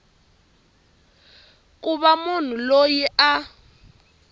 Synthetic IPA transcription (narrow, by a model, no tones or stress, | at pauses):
k̬ʼuβamun̤ulojiʔa